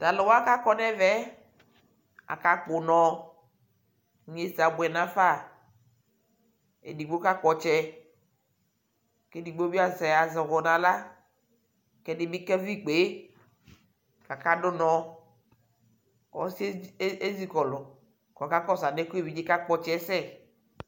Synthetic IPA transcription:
ta˨lɪ˨wa˦ka˦kɔ˦nɛ˦vɛ˦ | a̰˨ka˦k͡pʊ˨nɔ˨˦ | ɲ˦e˦si˨a˨bɛ˨nã˦fa˦˨ | ḛ˨di˨ɡ͡bo˦ka˦k͡pɔ˨t͡ʃɛ˦ | kɛ˦di˨ɡ͡bo˦bi˦a˨zɛ˨ja˨zɪ˨ɣɔ˨nã˨la˦ | kɛ˦dɪ˦bi˦kɛ˦vi˦k͡pe˨˦ | ka˨ka˦dʊ˦nɔ̃˦ | ɔ̰˦se˦zi˦kɔ˨lʊ˨ | kɔ˨ka˦kɔ˦sa˨ne˦ku˦e˦˨vi˨˦d͡ʒi˦ka˦k͡pɔ˨t͡ʃɛ˦sɛ˦˨

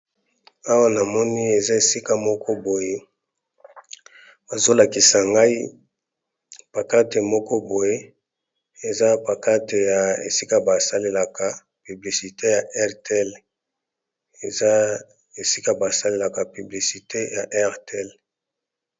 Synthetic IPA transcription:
a˦wa˦na˨mɔ˦ni˦e˨za˦e˨si˦ka˦mɔ˦kɔ˦bo˨je˦ | ba˨zo˦la˨ki˨sa˨ŋɡa˦i˦ | pa˨ka˦te˨mɔ˦kɔ˦bo˨je˦ | e˨za˦pa˨ka˦te˨ja˨ḛ˨si˦ka˦ba˨sa˦le˨la˨kʰa˨ | py˨bli˨si˨te˦ja˨ʔɛ˦ʁtl | e˨za˦ | e˨si˦ka˦ba˨sa˦le˨la˨ka˨py˨bli˨si˨te˦ja˨ʔɛ˦ʁte˦˨l

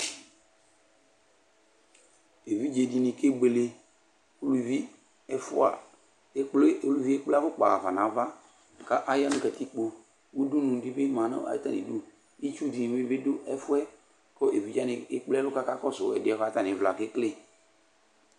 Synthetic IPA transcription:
e˨vi˦d͡ʒe˨di˨nɪ˨ke˦ɡ͡be˨le˨ | o˨lu˨vi˦ | ɛ˦fʊ˦a̰˨˦ | k͡ple˦o˨lu˨vi˦e˦k͡pla˦fʊ˦k͡pa˨a˨va˨nã˨˦va˦˨ | ka˦ʔa˦ja˦nʊ̃˦ka˨ti˦k͡po˨ | wu˦du˦nũ˨dɪ˦bɪ˦mã˨nʊ̰˦a̰˦ta˦nḭ˨du˦ | i˦t͡ʃu˦˨di˨ɪ˦bɪ˦dʊ˦ʔɛ˦fʊ˦ɛ˦ | kɔ˦e˨vi˨˦d͡ʒa˦nɪ˨ɪ˦k͡plɛ˦lʊ˦ka˦ka˦kɔ˦sʊ˨˦ɛ̰˨dɪ˨˦ɛ˦ha˦ta˦˨ɪ̃˨vla˨kɪ˦klɪ˦

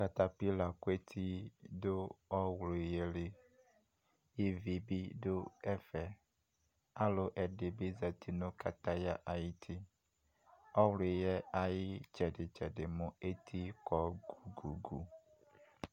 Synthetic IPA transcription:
ka˨t̪a˦pi˦la˨ku˦e˦t̪ʰi˦do˦ɔ˦wlo˨je˨le˨ | je˦vi˨bi˦do˦ɛ˦fɛ˨ | a˦lo˨ʔɛ˨ɖe˨be˦za˨t̪i˦nõ˦ka˨t̪a˦ja˦ʔa˨ji˦t̪ʰi˦ | ɔ˦wlo˨jɛ˦a˨jɪ˦t͡ʃɛ˨ɖɪ˨t͡ʃɛ˨ɖɪ˨mo˨e˦t̪ʰi˦kɔ˦ɡu˨ɡu˨ɡu˨

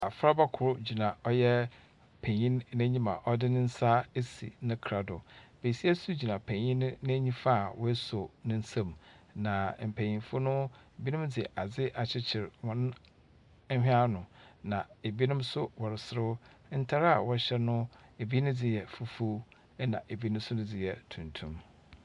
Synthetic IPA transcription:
a˨fɾa˦ba˦kʰʊ˨ɾʊ˦d͡ʑi˨nã˨ɔ˦jɛ˦ | pʰæ̃˨ɲĩ˦nːæ̃˦ɲĩ˦mã̰˨ʔɔ˦dɪ˦nɪ̃˦n̩˦sa˦e˦sḭ˨nʊ̃˦kʰɾa˨dʊ̰˨b̥e˨si˦a˦su˦d͡ʑi˨nã˨pʰæ̃˨ɲĩ˦nː˦æ̃˦ɲĩ˦fa˦˨wɔ˦so˨nʊ̃˦n̩˦sã˨m | nã˨m̩˨pʰæ̃˨ɲĩ˨fʊ˦nʊ̃˦e˨bi˦nʊ̃˦md͡zɪ˨ʔa˨d͡zɪ˦ʔa˨t͡ɕʰɪ˦t͡ɕʰɪ˨ɾwɔ̃˨nʊ̃˦ | hᶣɪ̃˦a˦nʊ̃˨nã˨e˨bi˦nʊ̃˦msʊ˦wɔ˨ɾɪ˨sɪ˦ɾʊ˦ | n̩˦tʰa˦ɾa˨wɔ˦ɕɛ˦nʊ̃˦e˨bi˦nʊ̃˦d͡zɪ˦˨jɛ˨fu˦fu˦ | nã̰˨ʔe˨bi˦nʊ̃˦sʊ˦nʊ̃˦d͡zɪ˦jɛ˨tʰũ˨ntʰũ˦m

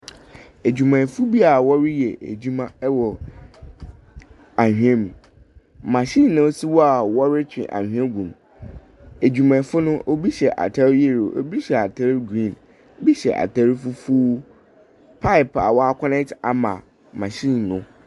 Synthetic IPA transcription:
e˨d͡ʑᶣu˨mã˨fu˦bi˦a˨wɔ˦ɾɪ˦jɛ˨ʔe˨d͡ʑu˦mã˦ɛ˦wɔ˨ | a˨hᶣũ˦ɛ̃˦mũ˨ | mã˨ɕĩ˦˨nːʊ̃˦si˦wɔ˦a˨wɔ˦ɾɪ˦t͡ɕʰᶣɪ̰̃˨ʔã̰˨hᶣɛ˦ɡũ˨m | e˨d͡ʑᶣu˨mã˨˦fʊ˦nʊ̃˦ʔo˦bi˦ɕɛ˨ʔa̰˨tʰa˦ɾje˦˨ɾo˨ʔo˦bi˦ɕɛ˨a˨tʰa˦ɾɡɾĩ˦˨n | o˦bi˦ɕɛ̰˨ʔa̰˨tʰa˦ɾfu˦fuː˦ | pʰa˦ɪ˨pa̰˨wɔ˦a˨kʰʷɔ˦nɛ̃˦ta˨mã̰˨ | mã˨ɕĩ˦˨nːʊ̃˨˦

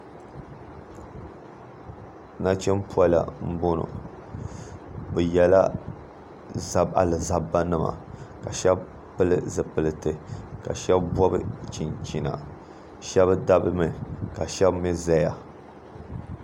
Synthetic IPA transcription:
na˦t͡ʃɛ˦mpu˦a˦la̰˨m̩˦bo˦nʊ̰˨ | bɨ˨jɛ˨la˦ | za˦ba̰˨lɨ˨za˦ba˦nɨ˦ma̰˨ka˨ʃɛ˦b | pɨ˦lɨ˦zɨ˨pɨ˨lɨ˨tɨ˨ka˨ʃɛ˦bbɔ˦bɨ˦t͡ʃi˨nt͡ʃi˨na̰˨ | ʃɛ˦βda˦bɨ˦mɨ˨ka˨ʃɛ˦bmi˦za˦ja˨

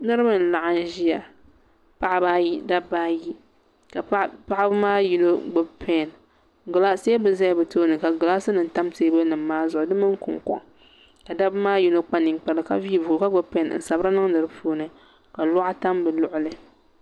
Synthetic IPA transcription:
nɨ˦ɾɨ˦bɨ˨n̩˨la˨ʔa˦n˦ʒi˦a˨ | pa˦ʔba˦i˦da˦ba˦ji˦ | ka˨pa˦ʔa˦bɨ˦maː˦ji˦no˦ɡ͡bʊ˦bpʰe˦˨n | ɡʊ˨la˦se˦bɨ˨za˦jbɨ˨toː˦nɨ˨ka˨ɡʊ˨la˦sɨ˦nɨ˨n̩˨ta˦mteː˦bɨ˦nɨ˨mː˦aː˦zʊ˨ʔʊ˨˦dɨ˦mɨ˦ŋ˦kʊ̰˨ŋ˨kɔ̰˨ŋ | ka˨da˦bmaː˦ji˦no˦k͡pa˦nɨ˨ŋ˨k͡pɛ˦lɨ˨ka̰˦viː˦vu˨ka˦ɡ͡bʊ˦bpe˦˨n˨n̩˨sa˨bɨ˦ɾa˦nɨ˦ŋnɨ˨ɾɨ˦bpoː˦nɨ˨ | ka˨lɔ˦ʔa˦ta˦mbɨ˨lʊ˨ʔʊ˦lɨ˨

